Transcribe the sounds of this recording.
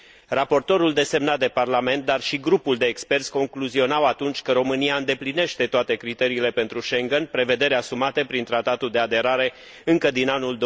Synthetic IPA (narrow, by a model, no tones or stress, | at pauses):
rapo̞rt̪o̞ɾuld̪e̞se̞mnat̪̚d̪e̞parlame̞nt̪̚d̪arʃiɡɾupuld̪e̞ːkspe̞rt̪sʲko̞ŋkluzio̞nawat̪unt͡ʃʲkəɾo̞mɨniaɨnd̪e̞pline̞ʃt̪e̞t̪oat̪e̞kɾit̪e̞ɾiːle̞pe̞nt̪ɾuʃe̞ŋɡənpɾe̞ve̞d̪e̞ɾeasumat̪e̞pɾint̪ɾat̪at̪uld̪ead̪e̞ɾaɾe̞ | ɨŋkəd̪inanuld̪